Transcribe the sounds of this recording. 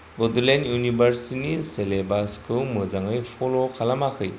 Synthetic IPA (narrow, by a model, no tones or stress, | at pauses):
bɔdɯlenjunibʱəɾsiniselebaskʰulmɯzaŋɯjpʰɔlokʰalamakʰɯj